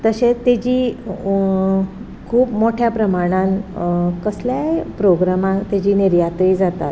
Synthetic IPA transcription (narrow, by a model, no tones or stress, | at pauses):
t̪əɕet̪ed͡ʑiː | kʰuːpmoʈʰjapɾəmaɽ̃ãnkəsljaepɾoɡɾamãt̪ed͡ʑiːniɾjat̪ɾiːd͡zat̪a̰t̪